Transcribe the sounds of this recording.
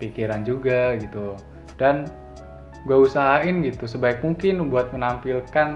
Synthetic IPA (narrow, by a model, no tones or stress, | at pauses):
pikiɾand͡ʒuɡaɡit̪u | dan | ɡuausaɦaɪnɡit̪usəbaɪk̚muŋkɪnbuat̪̚mənampilkan